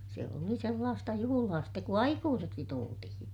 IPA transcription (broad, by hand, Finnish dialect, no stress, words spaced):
se oli selːɑːstɑ juhulɑː stek ku ɑikuːseksi tultihĩː